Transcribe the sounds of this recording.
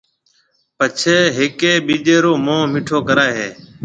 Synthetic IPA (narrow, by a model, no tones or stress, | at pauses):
pət͡ʃʰeːɦɪkeːɓiːd͡ʒeːɾoːmõːmɪʈʰoːkəɾaːeɦeː